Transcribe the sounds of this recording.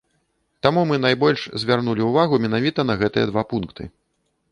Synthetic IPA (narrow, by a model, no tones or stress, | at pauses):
t̪amumɨnajbɔlʲʂzʲvʲarnulʲiuvaɣumʲɛnavʲit̪ɐn̪ɐɣɛt̪ɨjɐ̰d̪vapunkt̪ʰɨ̰